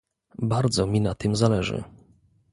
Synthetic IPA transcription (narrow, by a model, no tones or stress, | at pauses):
baɾd̪zɔmʲinat̪ɘmzalɛʐɘ̰